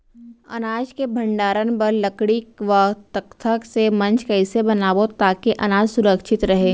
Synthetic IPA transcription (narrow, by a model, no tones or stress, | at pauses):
ɐ̰naːd͡ʒkebʱɐ̃ɳɖaːɾənbɐɾlɐkɽikʋat̪əkt̪ʰəksemɐ̃nt͡ʃkɐɪsebɐnaːʋot̪aːkeʔɐnaːd͡ʒsʊɾəkʃɪt̪ɾɐɦeː